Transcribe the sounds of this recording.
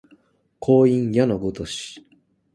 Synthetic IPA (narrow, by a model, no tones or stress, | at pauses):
kʰo̞ːĩɰjanoɡot̪oɕi̥